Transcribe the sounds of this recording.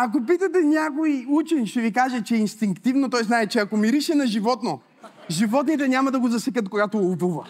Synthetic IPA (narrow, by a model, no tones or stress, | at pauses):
ak̬opit̪ɐt̪̬ɛnʲakoiut͡ʃɛnʃt̪ɛvikaʒɛt͡ʃɛinst̪iŋkt̪ivnot̪ɔjznaɛt͡ʃɛɐkomiɾiʃɛnɐʒivɔt̪no | ʒivɔt̪nit̪ɛnʲamɐd̪ɐɡozɐsɛkət̪̚koɡat̪oovuvɐ̰